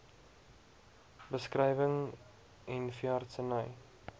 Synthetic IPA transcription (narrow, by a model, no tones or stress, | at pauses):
bəskrɛjvəŋ | ɛnfjartsənəj